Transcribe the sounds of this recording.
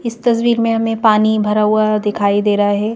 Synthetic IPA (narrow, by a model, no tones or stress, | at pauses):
ɪst̪ɐsʋiːɾmẽɦɐmẽpaːnibʱɐɾaɦuad̪ɪkʰaːid̪eːɾɐɦaɦɛː